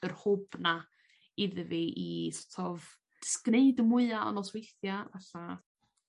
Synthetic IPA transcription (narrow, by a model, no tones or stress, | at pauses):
ərhʊb̥na | ɪðəviʔisɔ̥tʰɔv | d̥ɪ̥skneɨdəmʊɨaɔ̰nɔlˠswejθjavaɬa